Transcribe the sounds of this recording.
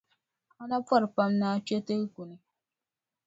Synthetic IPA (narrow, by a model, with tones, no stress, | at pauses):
a˦na˦pa˦ɾpa˦mnaː˦t͡ʃɛ˦tɨ˦ɣku˨nɨ˦